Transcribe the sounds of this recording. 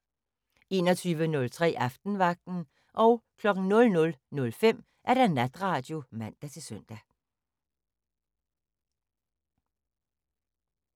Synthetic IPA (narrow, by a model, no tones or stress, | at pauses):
e̝̰ːnɒt͡sʰyːʋənɔ̽lt͡sʰʁɛ̰ːʔɑfd̥n̩ʋɑ̈ɡ̥̚d̥n̩ | ʔɒ̽ʊkʰlɒ̽ɡ̥n̩nɔ̽lnɔ̽lnɔ̽lfem̰ | ʔæɐd̥ænæd̥ʁɑ̈ːd̥jo̝mæn̰d̥æt͡sʰe̝sœn̰d̥æ